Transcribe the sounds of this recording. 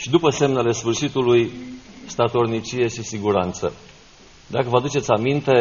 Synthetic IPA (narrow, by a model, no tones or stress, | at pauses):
ʃid̪upəse̞mnele̞sfɨrʃit̪ulujst̪at̪o̞rnit͡ʃije̞ʃisiɡuɾant̪sə̰ | d̪akəvəad̪ut͡ʃe̞t̪sʲamint̪e̞